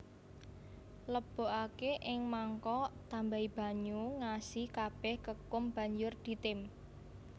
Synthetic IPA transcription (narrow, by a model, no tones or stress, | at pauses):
ləb̥o̤ʔakeʔɪŋmaŋkɔt̪ambaib̥a̤ɲuŋasihkab̥ɛhkəkʊmb̥a̤ɲd͡ʒʊrd̪̥i̤t̪ɪm